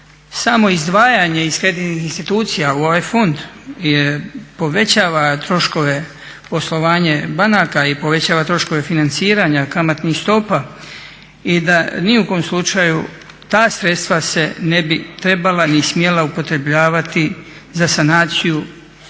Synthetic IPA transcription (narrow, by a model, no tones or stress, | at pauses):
samo̞izd̪ʋaːjaɲe̞iskɾed̪it̪nixinst̪it̪uːt̪sijauo̞ʋaːjfo̞nd̪jepo̞ʋe̞t͡ɕaːʋat̪ɾo̞ʃko̞ʋe̞ | po̞slo̞ʋaːɲe̞banakaipo̞ʋe̞t͡ɕaːʋat̪ɾo̞ʃko̞ʋe̞finant̪siːɾaɲakamat̪nixst̪o̞pa | id̪aniukoomslˠut͡ʃaju | t̪aːsɾe̞t̪st̪ʋase̞ne̞bit̪ɾe̞balanismjelaupo̞t̪ɾe̞bʎaːʋat̪i | zasanaːt̪siju